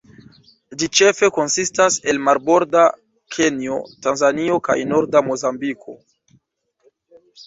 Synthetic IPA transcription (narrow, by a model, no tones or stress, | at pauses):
d͡ʒit͡ʃe̞fe̞ko̞nsistase̞lmaɾbo̞ɾda | kʰe̞nio̞̰tanzanio̞ka̰jno̞ɾdamo̞zambikʰo̞